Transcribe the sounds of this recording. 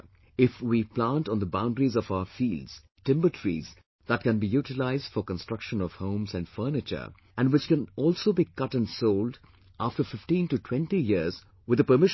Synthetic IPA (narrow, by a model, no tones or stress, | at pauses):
ɪfwiplãntɔ̃nd̪əbãʊ̃nɖɾizɔfaʊəfiːlɖz̥ | tɪ̃mbəʈʰɹḭz | d̪æʈ̚kɛ̃nbijuːʈɪlaɪzd̥fɔɾkə̃nstɹ̥ʌkʃə̃nɔv̥hõʊ̃mzæ̃nɖfəːnɪt͡ʃə̰˞ | æ̃nɖwɪt͡ʃkɛ̃nɔːlsoːbikʌʈæ̃nsoʊld | ʔæfʈəfɪfʈĩnʈuʈʰw̥ɛ̃nʈijiɾz | wɪd̪əpəmɪʃ